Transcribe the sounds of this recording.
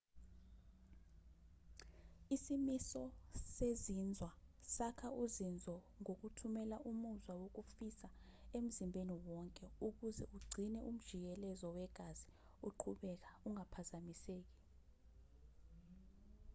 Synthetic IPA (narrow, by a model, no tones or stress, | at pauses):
isimisɔsezind͡zʱwasakʰauzind͡zʱɔ | ŋok̬utʰumɛlaʔumuzwawok̬ufisaem̩zimbʱeniwɔŋkʼɛuk̬uzɛʔuɡ͡ǀʱinɛʔum̩d̥ʒ̥ʱik̬ɛlɛzɔwɛɡ̥ʱaz̥i | uǃʰuɓɛk̬auŋapʰazamiseːk̬i̥